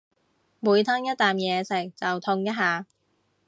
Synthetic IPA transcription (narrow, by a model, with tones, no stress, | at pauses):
muː˨˧jt̪ʰɐ˥ŋjɐ˥t̚t̪aː˨˩mjɛː˨˧sɪ˨˩ŋ̚t͡sɐ˨wt̪ʰʊ˧ŋjɐ˥t̚haː˨˧